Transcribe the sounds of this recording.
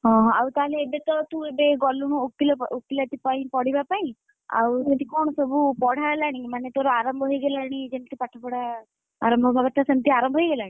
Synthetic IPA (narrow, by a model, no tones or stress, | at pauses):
ɦɔ̃ɦɔ̃awt̪aɦleːbet̪ɔt̪ũebeɡɔluñũokːilɔokːilat̪ipaĩpɔɽibapaĩ | a̰wst̪ikɔɽ̃ɔsɔbʱupɔɽ̤ʱalaɽ̃imanet̪oɾɔaɾɔmbʱɔɦojɡelaɽ̃id͡ʒent̪ipaʈʰapɔɽa | a̰ɾɔmbʱɔbʱakɔt̪asemt̪iaɾɔmbʱɔɦjɡelaɽĩ